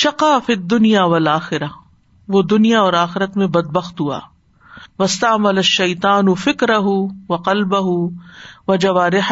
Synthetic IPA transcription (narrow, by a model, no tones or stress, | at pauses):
ʃɐqaːfid̪ːʊnijaːʋɐlaːxɪɾa | ʋod̪ʊnijaɔːɾaːxɪɾət̪mẽbɐd̪̚bɐxt̪ɦua̰ː | ʋɐst̪aʕmɐlɐʃːɐjt̪aːnʊfɪkɾɐɦʊʋɐqɐlbɐɦʊʋɐd͡ʒɐʋaːɾɪħ